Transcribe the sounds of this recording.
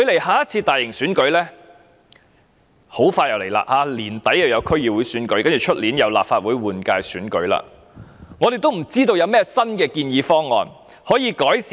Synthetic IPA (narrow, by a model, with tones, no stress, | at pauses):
kʰɵ˧ɥle˨˩jhaː˨˥jɐ˥t̚t͡sʰiː˧t̪aː˨jɪ˨˩ŋsyː˨˥nkɵ˨˥ɥlɛː˥ | ho˨˥wfaː˧jɐ˨˩wle˨˩jla̰ː˧˩haː˨˧liː˨˩nt̪ɐ˨˥jɐ˨˧wjɐ˨˧wkʰɵ˥ɥjiː˨wuː˨˧jsyː˨˥nkɵ˨˥ɥkɐ˥nt͡ʃy˨˩t͡ʃʰɵ˥t̚liː˨˥njɐ˨˧wlaː˨p̚faː˧t̚wuː˨˥jwuː˨˩nkaː˧jsyː˨˥nkɵ˨˥ɥla̰ː˧ | ŋɔ˨˧d̪e˨jt̪o˥wm̩˨˩t͡siː˥t̪̬o˧wjɐ˨˧wmɛː˥sɐ˥nkɛː˧kiː˧njiː˨˧fɔː˥ŋɔ̰ː˨˧n | hɔː˨˥jiː˨˧kɔː˨˥js